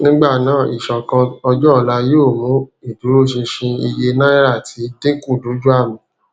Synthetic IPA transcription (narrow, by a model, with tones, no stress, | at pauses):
nĩ˦ɡ͡ba˦˨nãː˦˨i˨ʃɔ̃˨kã˧ɔ˧d͡ʒɔ˦˧˦la˧joː˦˨mũ˨˦i˦˨du˨˦ɾo˦˨ʃĩ˧ʃĩ˧i˧je˧nã˦i˦ɾa˦˨tʰi˨˦de˦ku˦˨du˨˦d͡ʒu˦a˦˨mĩ˨˦˨